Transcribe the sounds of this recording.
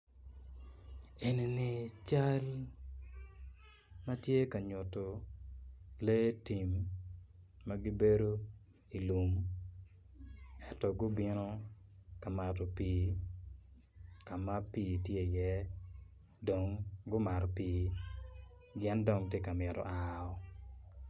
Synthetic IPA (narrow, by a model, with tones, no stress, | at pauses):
e˨ne˨ni˨t͡ʃa˦l | ma˦tje˦ka˨ɲʊ˨to˨ | le˦ti˨mː | a˦ɡi˦be˦ɾo˦ | i˨lu˨m | ɛ˦tɔ˨ɡʊ˦bɪ˦nɔ˦ka˨ma˨tɔ˨piː˨ | ka˨ma˦piː˦˨tje˦˨jɛ˦ | do˨ŋɡʊ˦ma˨ɾɔ˨piː˨˦ | d͡ʒɛ˦ndɔ˨ŋtje˦ka˨mɪ˨ɾɔ̰˨ʔa˨ɔ˦